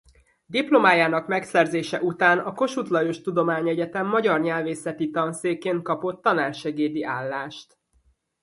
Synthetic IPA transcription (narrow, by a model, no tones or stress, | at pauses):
d̪iplo̞maːjaːnɒkmɛksɛrzeːʃɛʔut̪aːnɒko̞ʃut̪lɒjoʃt̪ud̪o̞maːɲɛɟɛt̪ɛmːɒɟɒrɲɛlveːsɛt̪it̪ɒnseːkeːnt̪̚kɒpo̞t̪ːɒnaːrʃɛɡeːd̪iʔaːlːaːʃt̪